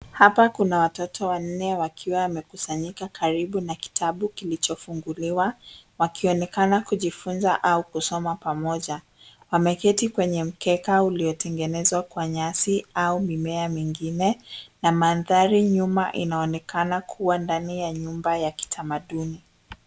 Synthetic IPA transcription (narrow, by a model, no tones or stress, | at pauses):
hapakunawatɔtʰɔwan̩nɛwakʰiwawːmɛkusaɲikakʰaɾiɓunaki̥tʰaɓukilit͡ʃɔfuŋɡuliwawakiɔnɛkanakuʄifunzaʔaukusɔmapamɔʄa | wamɛkɛtikwɛɲɛm̩kɛkauliɔtɛŋɡɛnɛzwakwaɲasiaumimɛamiŋɡinɛnamanðaɾiɲumaʔinaɔnɛkanakʰuwandanijaɲumbajaki̥tʰamaɗuni